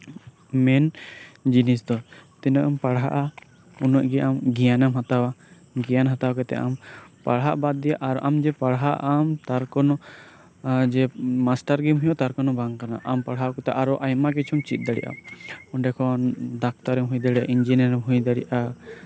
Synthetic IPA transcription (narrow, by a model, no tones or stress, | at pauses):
mɛnd͡ʒinisd̪ɔt̪inaʔampaɽɦa̰ʔa | unɔʔɡɛʔamɡijanamɦat̪awa | ɡijanɦat̪awakɛt̪ɛ̰ʔa̰mpaɽɦaʔbad̪̚d̪ɛjaʔaɾɔʔamd͡ʒɛpaɽɦaʔamt̪aɾkɔnɔ | d͡ʒɛmasʈaɾɡimɦũjɔt̪aɾkɔnɔbaŋkanaʔampaɽɦaʔkɛt̪ɛʔaɾɔʔajmak̬it͡ʃʰumt͡ʃit̪̚ˀd̪aɽḭʔa̰ɔnɖɛkʰɔd̪ak̚t̪aɾɛmɦujd̪aɽiʔaʔind͡ʒinaɾɛmɦujd̪aɽiʔa